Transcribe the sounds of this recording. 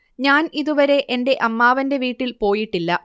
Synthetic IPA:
ɲaːniðuʋɐɾe̞ʔende̞ʔɐmːaːʋɐnde̞ʋiːʈːilpo̞ːjiʈːilːɐ

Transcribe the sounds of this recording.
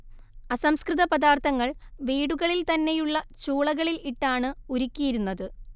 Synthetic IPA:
ɐsɐmskrɨðɐpɐðaːrt̪ʰɐŋːɐɭʋiːɽuɣɐɭilt̪ɐnːe̞juɭːɐt͡ɕuːɭɐɣɐɭiliʈːaːɳɨuɾikʲːijiɾunːɐðɨ

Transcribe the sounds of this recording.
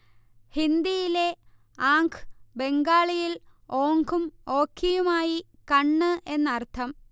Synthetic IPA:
hind̪ijile̞ | aːŋkʰɨ̥be̞ŋɡaːɭijiloːŋɡumo̞ːkʰːijumaːji | kɐɳːɨʔe̞nːɐrt̪ʰɐm

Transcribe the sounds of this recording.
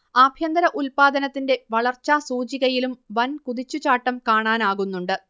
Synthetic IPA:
ɐbʱjɐnd̪ɐɾɐʔulpaːd̪ɐnɐt̪ːinde̞ʋɐɭɐrt͡ɕːasuːt͡ɕiɣɐjilumʋɐnkuðit͡ɕːut͡ɕaːʈːɐmkaːɳaːnaːɣunːuɳɖɨ

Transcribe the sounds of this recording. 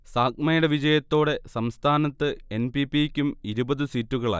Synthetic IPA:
saːk̚mɐjuɽeʋid͡ʑɐjɐt̪ːo̞ːɽe̞sɐmst̪ʰaːnɐt̪ːɨenpipːikʲːumiɾubɐðɨsitːuɣɐɭa̰ːj

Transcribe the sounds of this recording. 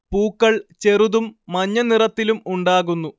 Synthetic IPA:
puːkːɐɭt͡ɕeruðumːɐɲːɐnirɐt̪ːilumuɳɖaːɣunːu

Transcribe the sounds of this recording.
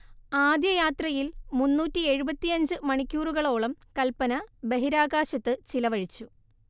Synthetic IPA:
aːd̪jɐjaːt̪rɐjilmunːuːtːie̞ɻubɐt̪ːijɐɲd͡ʑɨmɐɳikʲːuːruɣɐɭo̞ːɭɐmkɐlpɐnɐbe̞ɦiɾaːɣaːɕɐt̪ːɨt͡ɕilɐʋɐɻit͡ɕːu

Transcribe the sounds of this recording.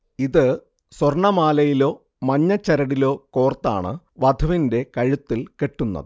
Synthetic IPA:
iðɨ | swɐrɳɐmaːlɐjilo̞ː | mɐɲːɐt͡ɕːɐɾɐɽilo̞ːko̞ːrt̪ːa̰ːɳɨ̰ | ʋɐd̪ʱɐʋinde̞kɐɻut̪ːilke̞ʈːunːɐ̰ðɨ

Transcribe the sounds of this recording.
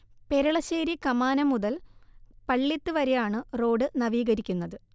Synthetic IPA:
pe̞ɾɐɭɐɕeːɾikɐmaːnɐmuðɐlpɐɭːit̪ːɨʋɐɾejaːɳɨro̞ːɖɨnɐʋiːɣɐɾikʲːunːɐðɨ

